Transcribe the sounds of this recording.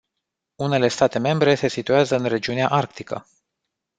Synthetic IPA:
une̞le̞st̪at̪e̞me̞mbɾe̞se̞sit̪ujazəɨnre̞d͡ʒiuneaʔarkt̪ikə̰

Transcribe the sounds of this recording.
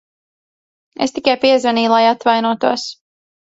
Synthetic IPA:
ḛst̪ikajpiɛzvaniːlˠajat̪vajnuɔt̪uɔs

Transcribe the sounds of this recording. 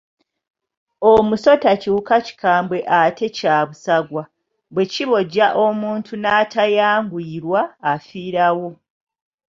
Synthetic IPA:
omuso̞tacuːkaci̥kaːmbwe̞ʔatʰe̞caːβusaɡwa | βwe̞ciβo̞ɟːaʔo̞muːntʰunaːtʰajaːŋɡwiːɾwaːfiːɾawo̞

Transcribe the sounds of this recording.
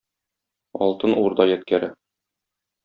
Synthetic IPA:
ɒ̰lˠt̪ɤnuɾd̪ɑjæt̪̚kæɾɘ

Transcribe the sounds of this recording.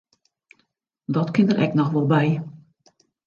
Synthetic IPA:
dɔtkɪndərʔɛknɔxʋɔlˠbɛj

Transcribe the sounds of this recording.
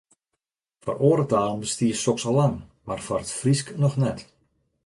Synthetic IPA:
fɔ̰roːɾətaːlənbəstiəsɔksɔlaŋmarfɔrətfrisknɔxnɛt

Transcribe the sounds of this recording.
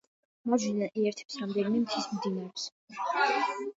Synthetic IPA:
mazinaʔiɛɾt̪ʰɛ̥psɾamd̪ɛnimɛmt̪ʰismmd̪inaɾɛps

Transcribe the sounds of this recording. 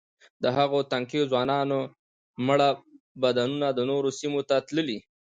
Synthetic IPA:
d̪əɦaɣot̪aŋkezwɑnɑno | məɽa | bad̪anunad̪ənoɾosimot̪at̪ləli

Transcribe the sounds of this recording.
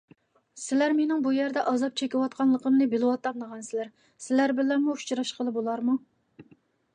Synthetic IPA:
sɪlæɾmenɪŋbujæɾd̪ɛʔɑzɑp̚t͡ʃʰekʲiwɑt̪̚qʰɑnlˠəqəmnɨbɪlɨwɑt̪ːɑnnəʁɑnsɪlæɾ | sɪlæɾbɪlæmuu̥t͡ʃʰɾɑʃqʰəlˠɨbolˠɑɾmu

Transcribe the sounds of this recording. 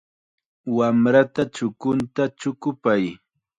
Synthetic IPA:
wamɾat̪at͡ʃʊkʊnt̪at͡ʃʊkʊpaj

